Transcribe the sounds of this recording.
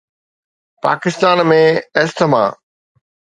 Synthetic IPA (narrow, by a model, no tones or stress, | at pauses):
pa̰ːkɪst̪aːnmẽest̪əmã̰ː